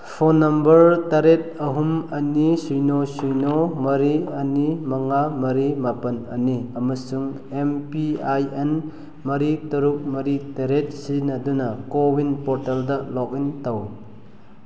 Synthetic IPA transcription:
pʰonɐmbɐɾtaɾet̚ɐɦumɐnisujnosujnomɐɾiɐnimɐŋamɐɾimapɐnɐniɐmɐsuŋ | empiajen | mɐɾitɐɾuk̚mɐɾitɐɾet̚sinɐdunɐkowinpɔɾtaldɐlɔk̚intɐw

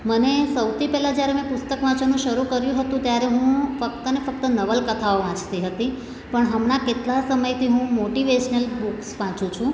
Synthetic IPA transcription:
mənesəwt̪ʰipɛɦlãd͡ʒjaɾemɛ̃pʊst̪əkʋãt͡ʃənũʃəɾukəɾjũɦət̪ũt̪jaɾeɦũfək̚t̪ənefək̚t̪ənəʋəlkət̪ʰaoʋãt͡ʃt̪iɦət̪i | pəɳɦəmnaket̪lasəməjt̪ʰiɦũmoʈiʋeʃnəlbuksʋãt͡ʃũt͡ʃʰũ

